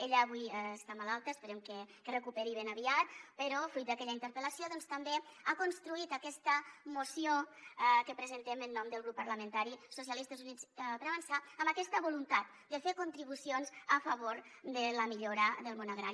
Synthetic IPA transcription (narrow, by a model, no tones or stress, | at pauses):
eʎəːβujst̪amalalˠt̪əːspəɾemkəkərəkupeɾiβenəβiat̪̚pəɾɔfɾujt̪̚d̪əkɛʎəint̪əɾpəlasijoðɔnst̪əmbeakunst̪ɾuit̪əkɛst̪əmusiokəpɾəzənt̪emənːɔmd̪əlˠɣɾupːəɾləmə̃nt̪aɾisus̬jalist̪əzunit͡spəɾaβənsaːmbəkɛst̪əβolunt̪at̪̚ | d̪əfeɾkunt̪ɾiβusionzəfəβoɾd̪ələmiʎoɾəðəlˠmonaɣɾa̰ɾi